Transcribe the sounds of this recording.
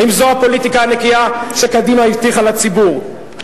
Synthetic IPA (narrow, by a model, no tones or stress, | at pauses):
imzoapo̞lit̪ikaanekiaʃekad̪imaivt̪iχalat͡sibuʁ